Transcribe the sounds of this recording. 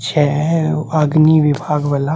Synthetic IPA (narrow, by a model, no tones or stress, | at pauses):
t͡ʃʰɛ | aɡniʋɪbʱaːɡʋala